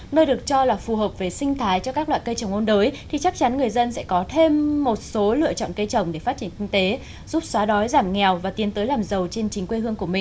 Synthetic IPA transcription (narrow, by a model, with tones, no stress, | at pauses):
nəː˧jɗɨ˨˩ək̚t͡ɕɔ˧laː˨˩fu˨˩ɦəː˨˩p̚ve˨˩sï˧ŋ̟t̪ʰaː˨˦jt͡ɕɔ˧kaː˦˥k̚lwa̰ː˧˨jkə˧jt͡ɕə˨˩wŋ͡mʔo˧nɗəː˨˦jt̪ʰi˨˩t͡ɕa˦˥k̚t͡ɕa˨˦nŋɨ˨˩əjzə˧nsɛ̰˧˥kɔ˨˦t̪ʰe˧mːo˨˩t̚so˨˦lɨ̰˧˨ət͡ɕɔ̰˧˨nkə˧jt͡ɕə˨˩wŋ͡mɗe˧˩faː˦˥t͡ɕi˧˩ənkï˧ŋ̟t̪e˨˦ | zu˦˥p̚swaː˨˦ɗɔ˨˦jzaː˧˩mŋɛ˨˩wvaː˨˩t̪i˨˦nt̪əː˨˦jlaː˨˩mzə˨˩wt͡ɕe˧nt͡ɕï˨˦ŋkwe˧hɨ˧əŋku˧˩əmï˨˩ŋ̟